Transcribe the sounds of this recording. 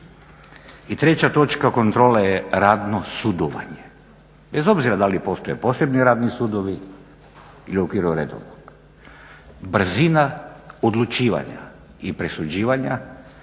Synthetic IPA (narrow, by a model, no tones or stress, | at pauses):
it̪ɾe̞t͡ɕat̪o̞t͡ʃkako̞nt̪ɾo̞ːlajeɾaːd̪nosud̪oʋa̰ɲe | be̞zo̞bziɾad̪alipo̞st̪o̞je̞po̞se̞bniɾaːd̪nisud̪oʋi | iliokiɾoɾḛd̪o̰ʋnoɡ | br̩zinaod̪lˠut͡ʃiːʋa̰ɲa̰ | ipɾesud͡ʑiːʋaɲa